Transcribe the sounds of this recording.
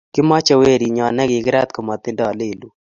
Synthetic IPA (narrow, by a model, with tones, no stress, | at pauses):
kɪ˦ma˦t͡ʃɔ˨we˦˨ɾi˨ɲɔ˨nɛ˦ɡɪ˨kɪ˦ɾa˦t̪̚kɔ˨mɔ˨t̪ɪ˦ndɔ˨le˦˨lu˦